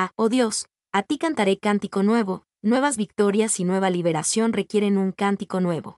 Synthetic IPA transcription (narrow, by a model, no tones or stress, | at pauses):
ao̞ðjo̞s | at̪ikant̪aɾe̞kant̪iko̞nwe̞βo̞ | nwe̞βazβik̚t̪o̞ɾjasinwe̞β̞aliβ̞e̞ɾasjo̞nre̞kje̞ɾe̞nũŋkant̪iko̞nwe̞βo̞̰